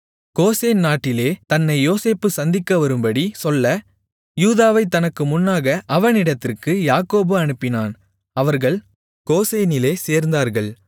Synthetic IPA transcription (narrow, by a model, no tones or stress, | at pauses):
koːseːnnaːʈːɪleːt̪ɐnːɐɪjoːseːpːɯsɐnd̪ɪkːɐʋɐɾɯmbɐɽisɔlːɐ | juːðaːʋɐɪt̪ːɐnɐkːɯmʊnːaːɣɐʔɐʋɐɳɪɽɐt̪ːɪrkɯjaːkoːbɯɐɳɯpːɪnaːn | ɐʋɐɾɣɐɭ | koːseːnɪleːseːɾnd̪aːɾɣɐɭ